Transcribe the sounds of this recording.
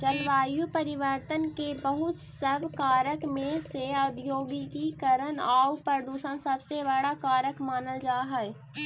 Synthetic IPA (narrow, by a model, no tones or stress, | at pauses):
t͡ʃəlʋaːjupɐɾɪʋəɾt̪ənkebəɦʊt̪sɐbkaːɾəkmẽseaʊd̪joːɡikikəɾənaːupəɾd̪uːʃənsɐbseβəɽakaːɾəkmaːnəld͡ʒaːɦɛɛ